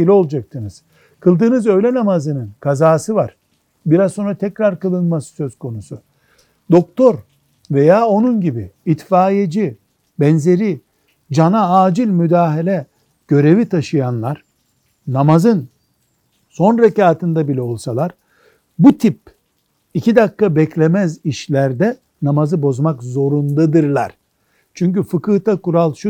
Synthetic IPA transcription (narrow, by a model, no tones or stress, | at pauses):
ilʲio̞lˠd͡ʒak̚t̪ʰɯnɯz̥ | kʰɯlˠd̪ɯːnɯzø̞jlʲɛnamazɯnɯnkʰazaːsɯvaɾ̥ | biɾazso̞nɾat̪ʰɛcɾaɾkɯlˠɯnmasɯ̥sø̞z̥kʰo̞nusu | d̪o̞k̚t̪ʰo̞ɾ | ve̞jaːo̞nunɟibiːt̪faːjed͡ʒi | bɛnze̞ɾi | d͡ʒanaaːd͡ʒilʲmyd̪aːɦelʲɛ | ɟ̥ø̞ɾe̞vit̪ʰaʃɯjanlˠaɾ̥ | namazɯn | so̞nɾecaːt̪ʰɯnd̪abilʲɛo̞lˠsalˠaɾ | but̪ʰip̚ | icid̪akːabɛclʲemæziʃlʲæɾd̪ɛ | namazɯbo̞zmakzo̞ɾund̪ad̪ɯɾlˠa̰ɾ̥ | t͡ʃʰyɲcyfɯkɯt̪ʰakuɾalˠʃu